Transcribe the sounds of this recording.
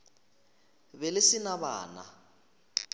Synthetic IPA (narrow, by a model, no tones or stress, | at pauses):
bɛlɪsɪnaba̰ːna̰